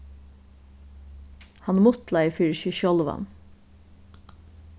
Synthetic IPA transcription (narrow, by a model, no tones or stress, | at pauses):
hɑnmʊt̪lɑɪfiɹʃʏʃɔlʋɑ̰n